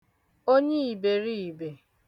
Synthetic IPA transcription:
o˦ɲe˦i˨be˨ɾi˦i˨be˨

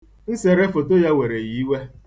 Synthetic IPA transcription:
n̩˦se˨ɾe˦fo˨to˦ja˦we˨ɾe˨ji˨˦we˦

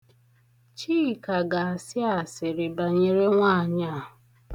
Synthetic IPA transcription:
t͡ʃiː˦˨ka˨ɡa˨a˨sɪ˦a˨sɪ˨ɾɪ˨ba˨ɲe˨ɾe˦ŋʷa˦˨ɲa˦˨ɦʊ˨

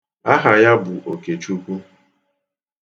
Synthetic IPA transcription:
a˦ɦa˨ja˦bʊ˨ʔo˨ke˨t͡ʃu˦kʷu˦

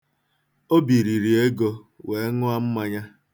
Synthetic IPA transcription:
o˦bi˨ɾi˨ɾi˨e˦ɡo˦ | we˨˦ŋʊ˦a˦m̩˦ma˦ɲa˦

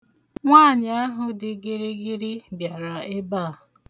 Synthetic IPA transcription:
ŋʷaː˦˨ɲ˨˦a˦ɦʊ˨dɪ˨ɡi˦ɾi˦ɡɪ˦ɾi˦bja˨ɾa˨ɪ˦baː˦˨

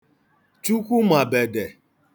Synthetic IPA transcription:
t͡ʃu˦kʷu˦ma˨be˨de˨

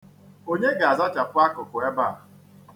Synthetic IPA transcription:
o˦ɲe˦ɡa˨a˨za˦t͡ʃa˨pʊ˦a˦kʊ˨kʊ˨e˦ba˦˨

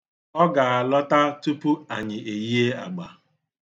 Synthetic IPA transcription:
ɔ˦ɡa˨a˨lɔ˦ta˦tu˦pu˦a˨ɲɪ˨e˨ji˦e˦a̰˨ɡ͡ba˨

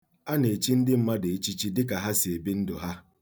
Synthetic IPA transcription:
a˦ne˨t͡ʃi˦n̩˦dɪ˦m̩˦ma˦de˨e˦t͡ʃi˦t͡ʃi˦dɪ˦ka˨ɦa˦sɪ˨e˨bi˦n̩˦dʊ˨ɦa˦

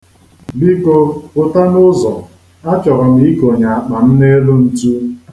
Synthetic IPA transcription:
bi˦ko˦pʊ˨ta˦nʊ˦zɔ˨ | a˦t͡ʃɔ˨ɾɔ˨mi˨i˦ko˨ɲa˨a˨k͡pa˨m̩˦ne˦lo˦n̩˦tu˦

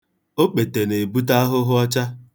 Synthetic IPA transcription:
o˦k͡pe˨te˨ne˨bu˦ta˦ɦʊ˦ɦʊ˦ɔ˦t͡ʃa˦

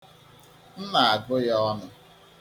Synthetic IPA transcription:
n̩˦na˨a˨ɡʊ˦jɔ˦nʊ˦

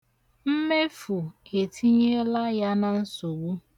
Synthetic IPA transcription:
m̩˦me˦fu˨e˨tʰi˦ɲe˦la˦ja˦na˦n̩˦sʊ˨wu˦

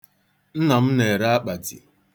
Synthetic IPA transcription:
n̩˦na˨m̩˦ne˨ɾa˦a˦k͡pa˨d͡ʒḭ˨

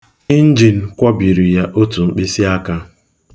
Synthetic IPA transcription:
ni˦n̩˦d͡ʒi˨n̩˨kʷɔ˦bi˨ɾi˨ja˦ʔo˦tu˨ŋ͡m̩˦k͡pi˦si˦a˦ka˦

